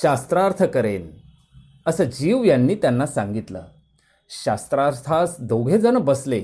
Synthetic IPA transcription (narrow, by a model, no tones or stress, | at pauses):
ɕast̪ɾaɾt̪ʰəkəɾen | əsəːd͡ʑiːʋjanːiːt̪janːasãŋɡit̪lə̰ː | ɕast̪ɾaɾt̪ʰasd̪ʱoɡʱed͡zənəbəsle